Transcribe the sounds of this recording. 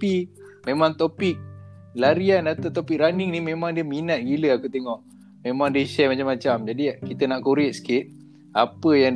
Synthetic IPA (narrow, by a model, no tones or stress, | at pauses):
imẽmaŋt̪opik̚ | laɾianat̪awt̪opik̚ɾaniŋnimẽmãŋdiəminat̪̚ɡiləakut̪eŋɔʔ | mẽmaŋdiəʃɛmat͡ʃamːat͡ʃamd͡ʒadikit̪ənaʔkuɾɪʔ̚sə̥kɪt̪̚ | apəjaŋ